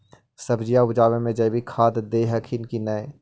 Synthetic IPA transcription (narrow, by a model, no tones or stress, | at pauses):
sɐbd͡ʒijaʋʊd͡ʒaːʋẽmẽd͡ʒɛbʱikʰaːt̪d̪eːɦəkʰɪnkinɐe